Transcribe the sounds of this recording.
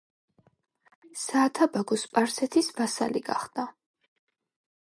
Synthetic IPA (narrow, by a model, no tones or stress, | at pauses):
saːt̪ʰabaɡɔspʼaɾsɛt̪ʰisbasa̰liɡa̰χd̪̥a